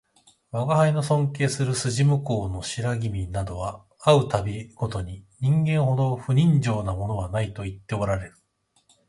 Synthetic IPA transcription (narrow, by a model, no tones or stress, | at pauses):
βaɡahaino̞sõ̞ŋke̞ːsɨɾɯ̟sɨʑimɯ̟ko̞ːno̞ɕiɾaɡʲimʲinad̪o̞β̞a | aɯ̟t̪abʲiɡ̥o̞t̪o̞ɲ̟iɲ̟ĩŋɡẽ̞ɰ̃ho̞d̪o̞ɸɯ̟ɲ̟ĩɲd͡ʑo̞ːnamo̞no̞βanait̪o̞it̪ːe̞o̞ɾaɾe̞ɾɯ̟